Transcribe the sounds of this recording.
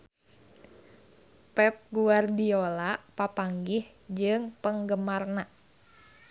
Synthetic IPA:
pɛp̚ɡuardiolapapaŋɡih | d͡ʒɨŋpəŋɡəmarna

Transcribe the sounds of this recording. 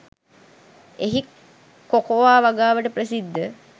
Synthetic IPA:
eɦik | kːokoʋaːʋaɡaːʋəʈəpɾəsid̪ːə

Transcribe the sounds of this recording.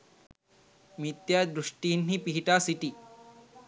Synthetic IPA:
mit̪jad̪ɾuʂʈinɦiːpiɦiʈasiʈi

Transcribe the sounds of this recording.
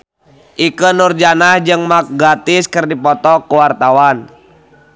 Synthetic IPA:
ʔikənurd͡ʒanahd͡ʒɨŋmak̚ɡat̪iskɨrdipɔt̪ɔkuwart̪awan

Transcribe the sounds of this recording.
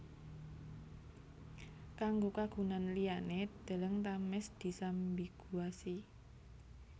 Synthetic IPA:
kaŋɡokaɡ̥ṳnanlijaned̪̥ə̤ləŋt̪amɛsd̪̥i̤sambiɡ̥uasi

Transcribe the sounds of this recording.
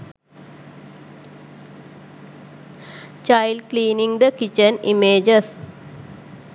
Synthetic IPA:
t͡ʃajlkliːniŋd̪əkit͡ʃənimeːd͡ʒəs

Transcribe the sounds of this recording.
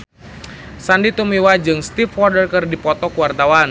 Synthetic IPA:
sandit̪umiwad͡ʒɨŋst̪ifwɔrdərkɨrdipɔt̪ɔkuwart̪awan

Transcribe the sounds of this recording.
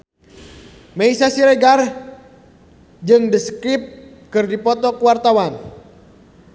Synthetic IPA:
meisasiɾɛɡar | d͡ʒɨŋdəskɾip̚ | kɨrdipɔt̪ɔkuwart̪awan

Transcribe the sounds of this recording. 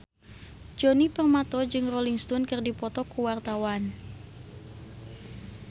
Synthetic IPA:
d͡ʒonipərmat̪ɔd͡ʒɨŋroliŋst̪ɔnkɨrdipɔt̪ɔkuwart̪awan

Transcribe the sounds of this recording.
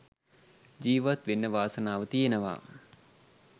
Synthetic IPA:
d͡ʒiːʋat̪ʋenːəʋaːsənaːʋət̪ijenəʋa̰ː

